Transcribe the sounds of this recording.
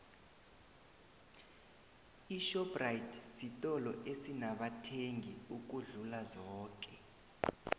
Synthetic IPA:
iʃɔbrajitʰsitʼɔlɔʔesinaɓatʰeŋɡʱiuk̬uɮulazɔːk̬ʼɛ

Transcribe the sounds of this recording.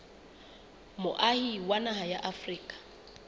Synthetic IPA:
mʊʔahiwanaɦajaʔafriːkʼḁ

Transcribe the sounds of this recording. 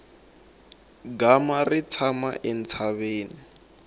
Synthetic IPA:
ɡamarit͡sʰama̰ʔɛnt͡sʰaβeːni

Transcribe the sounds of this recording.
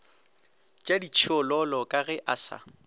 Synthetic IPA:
t͡ʃʼadit͡ʃʰɪɔlɔlɔkʼaɣɛʔasa̰

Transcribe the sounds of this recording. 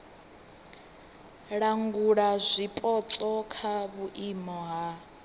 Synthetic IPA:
ɺaŋɡuɺazʷipʼɔt͡sʼɔkʰaβuʔimɔɦa

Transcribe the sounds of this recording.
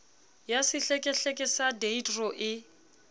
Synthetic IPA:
jasɪɬekʼɛɬekʼɛsadeitrɔʔɪ

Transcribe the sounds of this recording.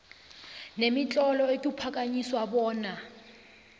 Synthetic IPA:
nemit͡ɬʼɔlɔekʼipʰakʼaɲiswabɔːna

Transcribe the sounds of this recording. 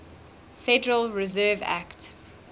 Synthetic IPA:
fɛdəɹəlɹɪzɜvæ̰kt

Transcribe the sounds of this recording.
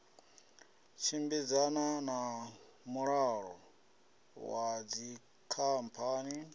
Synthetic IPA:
t͡ʃʰimbid͡zanana | muɺaɺɔ̰ | wad͡zi | kʰampʰani

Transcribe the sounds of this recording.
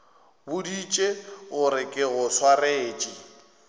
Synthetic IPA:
bʊdit͡ʃʼeɣʊɾɪkʼɪɣʊswareːt͡ʃʼɪ

